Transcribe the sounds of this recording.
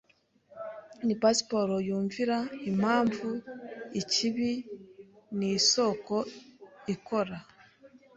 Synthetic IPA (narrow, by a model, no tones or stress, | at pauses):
nipasi̥poɾojuːɱviɾaimaːɱvuiciβi | nisokoikoɾa